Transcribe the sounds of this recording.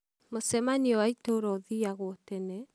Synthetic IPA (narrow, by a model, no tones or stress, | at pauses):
mosɛmaniɔwaitoɾɔðiaɣotɛnɛ